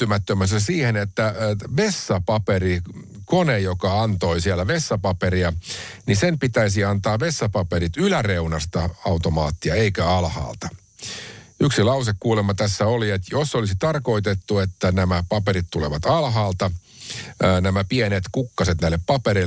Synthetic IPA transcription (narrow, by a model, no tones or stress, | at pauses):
ymæt̪ːømːæsːæsiːhenet̪ːæʋesːɑpɑperi | konejokɑɑnt̪oisiælæʋesːɑpɑpeɾiɑnisempit̪æisiɑnt̪ɑːʋesːɑpɑpeɾit̪ylæreunɑst̪ɑɑwt̪omɑ̰ːt̪ːiɑeikæɑlhɑ̰ːlt̪ɑ | yksilɑusekːkuːlemːɑt̪æsːæoliet̪josːolisit̪ɑrko̞it̪et̪ːuet̪ːænæmæpɑpeɾit̪t̪uleʋɑt̪ɑlɦɑːlt̪ɑ | næmæpienet̪kukːɑset̪næilːeppɑpeɾi